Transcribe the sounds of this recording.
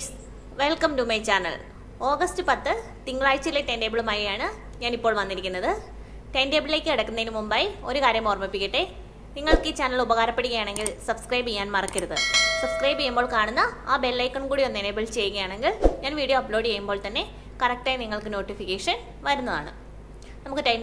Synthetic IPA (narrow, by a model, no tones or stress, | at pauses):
ʋe̞lkɐmdumejt͡ɕaːnɐ̰lɭ | o̞ːɡɐstɨpɐt̪ːɨ | t̪iŋːɐɭaːjt͡ɕːilːɐeʈe̞nɖeːbiɭumaːjijaːɳɨ | ɲaːnipːoːɭʋɐnːiɾikʲːunːɐðɨ | ʈe̞ndebɭileːkʲːɨɐɽɐkːunːɐðinumumbaːjo̞ɾukaːɾjɐmoːrmipːikʲːiʈːe | niŋːɐɭkit͡ɕaːnɐɭubɐɣaːɾɐpːe̞ɽuɣɐjaːɳe̞ŋɡilsɐbskrɐjbijaːnmɐrɐkːiɾɐðɨ̰sɐbskrɐjbejːumbo̞ːɭkaːɳunːɐaːbelːɐjkːɐɳkuːɽijonːenebiɭt͡ɕe̞jːuɣɐjaːɳe̞ŋɡilɲaːnʋiːɽijoːɐpɭoːɖt͡ɕejːumbo̞ːɭt̪ɐnːe̞ | kɐrɐk̚ʈaːjniŋːɐɭkɨno̞ːʈːifikʲːeːʂɐn | ʋɐɾunːɐðaːɳɨ̰ | nɐmukːɨtɐjn